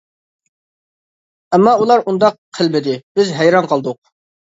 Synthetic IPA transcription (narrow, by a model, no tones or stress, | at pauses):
ɛmːɑulˠɑɾund̪ɑqʰːəlˠbɪd̪ɪbɪzɦæjɾɑnqʰɑlˠd̪ʊq̚